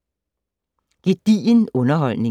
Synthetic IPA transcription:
ɡ̥id̥ienɔ̽nɐɦɒl̰ne

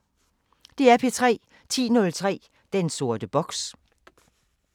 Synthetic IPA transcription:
d̥e̝æɐpʰe̝t͡sʰʁɛ̰ː | t͡sʰḭːnɔ̽lt͡sʰʁɛ̰ː | d̥enso̝ɐ̰d̥əb̥ɒ̽ɡ̥s

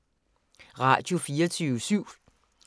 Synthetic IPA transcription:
ʁɑ̈d̥jo̝fiːɐt͡sʰyːʋəsyʊ̰

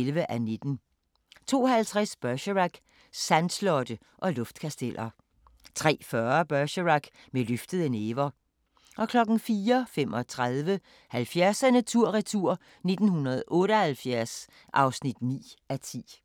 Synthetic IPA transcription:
elʋəʔæne̝d̥n̩ | t͡sʰo̝̰ːhælt͡sʰʁasb̥ɶɐɕəʁaɡ̥ | sænslɔ̽d̥ə | ʔɒ̽lɔfd̥kʰæsd̥elʔɐ | t͡sʰʁɛ̰ːfɶɐb̥ɶɐɕəʁɑɡ̥ | meløfd̥əðˠəneːʋɐ | ʔɒ̽kʰlɒ̽ɡ̥n̩fiːɐfemɒ̽t͡sʰʁaðˠʋə | hælfjæɐsænæt͡sʰuɐ̰ʁit͡sʰuɐ̰ | ne̝d̥n̩hunɐð̞̩ˠʔɔ̽ːɾəhælfjæɐs | ʔɑ̈ʊsnid̥nḭːʔæt͡sʰḭː

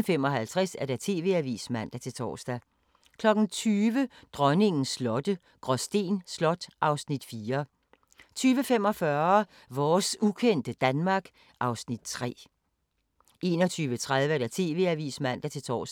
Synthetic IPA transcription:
femɒ̽ɦælt͡sʰʁɛsæɐɾ̥ɑt͡sʰe̝ːʋe̝æʋḭːsmæn̰d̥æt͡sʰe̝lt͡sʰɒ̰ːsd̥æ | kʰlɒ̽ɡ̥n̩t͡sʰyːʋəd̥ʁɶne̝ŋn̩slɒ̽d̥ə | ɡ̥ʁɒsd̥e̝̰ːnslɒ̽d̥ʔɑ̈ʊsnid̥fiːɐ | t͡sʰyːʋəfem̰ɒ̽fɶɐ | ʋɒːsukʰen̰d̥əd̥ænmɑ̈ːɡ̥ | ʔɑ̈ʊsnid̥̚t͡sʰʁɛ̰ː | ʔe̝ːnɒ̽t͡sʰyːʋət͡sʰʁað̞ˠʋəæɐd̥ɑt͡sʰe̝̰ːʋe̝æʋḭːsmæn̰d̥æt͡sʰe̝lt͡sʰɒ̰ːs

